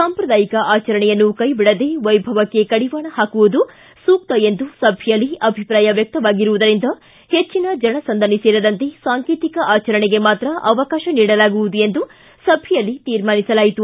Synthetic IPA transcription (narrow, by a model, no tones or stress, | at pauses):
saːmpɾɐd̪aːjikɐʔaːt͡ʃɐɾɐɳɛjɐnːukɐjbiɽɐd̪e̞ʋɐjbʱɐʋɐkːekɐɽiʋaːɳɐhaːkuʋud̪u | suːk̚t̪ɐend̪usɐbʱjijɐlːiɐbʱipɾaːjɐʋjɐk̚t̪ɐʋaːɡiɾuʋud̪ɐɾind̪ɐ | het͡ʃːinɐd͡ʒɐɳɐsɐnd̪ɐniseːɾɐd̪ɐnt̪e̞saːŋkiːt̪ikɐʔaːt͡ʃɐɾɐɳeɡe̞maːt̪ɾɐʔɐʋɐkaːʃɐniːɽɐlaːɡuʋud̪ue̞nd̪u | sɐbʱjɐjɐlːit̪iːɾmaːnisɐlaːjit̪u